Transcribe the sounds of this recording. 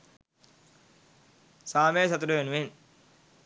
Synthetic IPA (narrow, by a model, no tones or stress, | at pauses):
saːmeːsɐt̪uɾuʋenuʋen